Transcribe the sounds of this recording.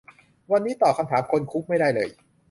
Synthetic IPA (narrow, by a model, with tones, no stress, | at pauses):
wa˧nːiː˦˥t̪ɔː˨˩kʰa˧mt̪ʰaː˩˦mkʰo˧nkʰu˦˥k̚ma˥˩jdaː˥˩jlɤː˧j